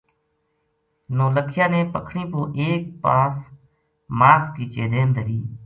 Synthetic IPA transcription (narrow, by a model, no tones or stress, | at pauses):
noːləkʰɪjãːnẽːpəkʰɳĩːpoːʔeːk̚paːs | maːskiːt͡ʃeːd̪eːnd̪əɾiː